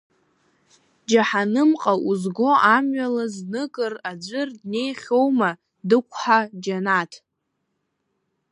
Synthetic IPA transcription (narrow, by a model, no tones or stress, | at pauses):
d͡ʒaħanɨmqʼaʔuzɡʷo̞ʔamɥalaznɨkʼɨrad͡ʒʷɨrdne̞jχʲo̞wma | dɨkʷʰħad͡ʒanatʰ